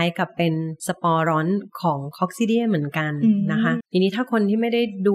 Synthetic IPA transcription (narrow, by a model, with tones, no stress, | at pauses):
a˧jka˨˩pːe˧nsa˧pɔː˧ɾɔː˦˥nkʰɔː˩˦ŋkʰɔ˦˥k̚siː˦˥˩di˥˩əmɯ˩˦ənka˧nːa˦˥kʰa˦˥t̪ʰiː˧nːiː˦˥t̪ʰaː˥˩kʰo˧nt̪ʰiː˥˩ma˥˩jda˥˩jduː˧